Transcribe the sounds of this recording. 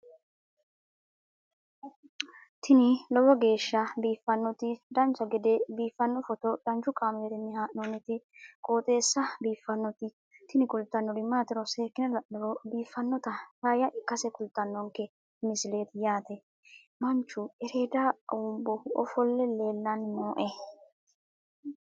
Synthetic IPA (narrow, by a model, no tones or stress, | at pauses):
t̪ɪnɪlɔwɔɡe̞ːʃːɐbiːfːɐnːɔt̪ɪd̪ɐnt͡ʃːɐɡɛd̪ɛbiːfːɐnːɔfɔt̪ɔd̪ɐnt͡ʃʊkʼaːmɛt̪ɪnːɛhaːʔnɔnːɛt̪ɪ | kʼoːt̪ʼe̞ːsːɐbiːfːɐnːɔt̪ɪ | t̪ɪnɪkʊlt̪ːɐnːɔdɪmːaːt̪ɪɾɔse̞ːkːɪnɐlɐʔːɔɾɔbiːfːɐnːɔt̪ɐhaːjɐkːɐsɛkʊlt̪ːɐnːɔŋkːɛ | mɪsɪle̞ːt̪ɪjaːt̪ɛ | mɐnt͡ʃːʊɛɾe̞ːd̪aʊmbɔhʊʔɔfɔlːɛle̞ːlːɐnnoːʔɛ